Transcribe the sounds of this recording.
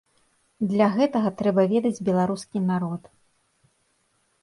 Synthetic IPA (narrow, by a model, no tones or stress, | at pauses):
d̪lʲɐɣɛt̪ɐɣɐt̪ɾɛbɐvʲɛd̪ɐd͡zʲbʲɛlˠaɾuskʲinaɾɔt̪